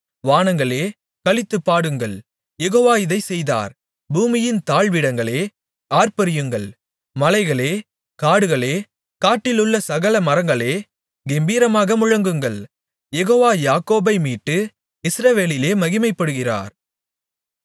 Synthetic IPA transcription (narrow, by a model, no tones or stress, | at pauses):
ʋaːnɐŋɡɐɭeː | kɐɭɪt̪ːɯpːaːɽɯŋɡɐɭ | jɛɣoːʋaːɪðɐɪsɛjða̰ːɾ | buːmɪjɪnt̪aːɭʋɪɽɐŋɡɐɭeː | aːɾpɐɾɪjɯŋɡɐɭ | mɐlɐɪɣɐɭeː | kaːɽɯɣɐɭeː | kaːʈːɪlɯɭːɐsɐɣɐlɐmɐɾɐŋɡɐɭeː | ɡɛmbiːɾɐmaːɣɐmʊɻɐŋɡɯŋɡɐɭ | jɛɣoːʋaːjaːkoːbɐɪmiːʈːɯ | ɪsɾɐʋeːlɪleːmɐɣɪmɐɪpːɐɽɯɣɪra̰ːɾ